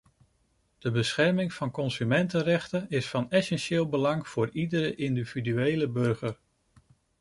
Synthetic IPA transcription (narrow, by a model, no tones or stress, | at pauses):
d̥əbəsχɛɹmɪŋv̥ɑnkɔnsymɛntərɛχtənɪsfɑnɛsɛnʃɪːlˠbəlɑŋv̥ʊːɹidəɾəʔɪndividyejləbɵɹχəɹ